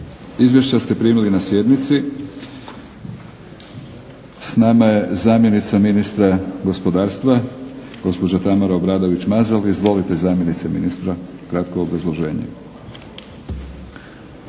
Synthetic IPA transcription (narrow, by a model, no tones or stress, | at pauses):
izʋje̞ʃt͡ɕast̪e̞pɾiːmilinasje̞d̪nit̪si | snamaje̞zaːmje̞nit̪saminist̪ɾaɡo̞spo̞d̪aːɾst̪ʋaɡ̥o̞spo̞d͡ʑat̪amaɾaobɾaːd̪o̞ʋit͡ɕmazalizʋo̞lit̪ezaːmjenit̪seminist̪ɾakɾat̪koːbɾazlˠo̞ʒe̞ːɲḛ